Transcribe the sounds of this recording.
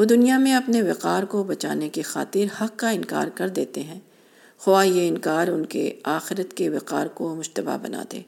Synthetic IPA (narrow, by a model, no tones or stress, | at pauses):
ʋod̪ʊnijamẽɐpneʋɪqaːɾkobɐt͡ʃaːnekixa̰ːt̪ɪɾhɐqːaɪnka̰ːɾkɐɾd̪eːt̪eɦɛ̃ː | xʊʋajeɪnkaːɾʊnkḛaːxɪɾət̪keʋɪqa̰ːɾkomʊʃt̪əba̰bɐ̰na̰ːd̪ḛː